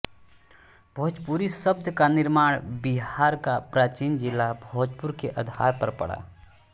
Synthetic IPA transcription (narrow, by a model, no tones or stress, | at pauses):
bʱɔːd͡ʒpuɾisəb̚d̪ʱjəkanɪɾmaːɽ̃biɦaːɾkapɾaːt͡ʃiːnd͡ʒɪlːabʱoːd͡ʒpuɾkeʔəd̪ʱa̰ːɾpəɾpə̰ɽa̰ː